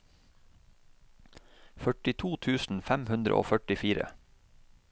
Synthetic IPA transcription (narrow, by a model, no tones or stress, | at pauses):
fœʈɪt̪ʰuːt̪ʰʉːsn̩fæmhʉnd̪ɾə̰ʔo̰ːfœʈɪfiːɾə̰